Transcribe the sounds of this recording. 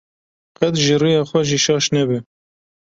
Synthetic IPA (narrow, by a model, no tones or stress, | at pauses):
qɛt̪ʒirijɑːxʷɛʒiʃɑːʃnɛbɨ